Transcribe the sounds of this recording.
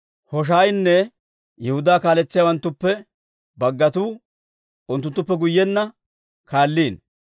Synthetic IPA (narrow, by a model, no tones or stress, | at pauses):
hɔʃ̬aːjnːɛ | jɛhʊd̪aːkaːlɛt͡sːɪjawɐnt̪ːʊpːɛ | bɐɡːɐt̪uː | ʊnt̪ːʊnt̪ːʊpːɛɡʊjːɛnːɐ | kaːlːiːn